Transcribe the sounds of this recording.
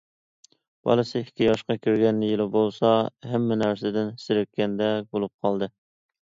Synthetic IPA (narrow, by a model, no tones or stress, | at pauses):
b̥ɑ̰lˠɨsɨi̥kʲʰːijɑʃqɑkʲʰøɾɡʲɛnːɪjɪlɪbolˠsɑɦɛmːɛnæɾsɪd̪ɪnsɪɾɪk̪̚kʲɛnd̪ɛbolˠup̚qʰɑlˠd̪ɨ